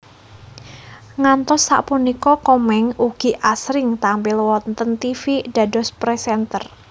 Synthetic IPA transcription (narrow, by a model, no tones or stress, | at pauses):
ŋant̪ɔsːa̰ʔpunikɔkɔmɛŋuɡ̥i̤ʔasɾɪŋt̪ampɪlwɔnt̪ənt̪ifiɖ̥a̤dɔspɾɛsɛnt̪ər